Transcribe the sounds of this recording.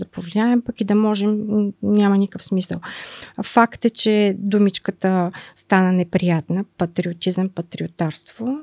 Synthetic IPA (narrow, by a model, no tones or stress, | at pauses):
d̪ɐpovliaɛmpɐkid̪ɐmɔʒɛmnʲamɐnikəfsmisə̰lˠfakt̪ɛt͡ʃɛd̪umit͡ʃkət̪əst̪anənɛpɾijat̪nəpɐt̪ɾiʊt̪izəmpɐt̪ɾiot̪aɾst̪vo